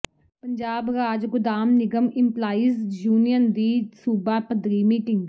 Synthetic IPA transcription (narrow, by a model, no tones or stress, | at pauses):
pəɲd͡ʒaːbɾaːd͡ʒɡʊd̪aːmnɪɡəmɪmplaːiːzd͡ʒuːnijənd̪iːsuːbaːpəd̪ɾiːmiːʈɪ̃ŋɡ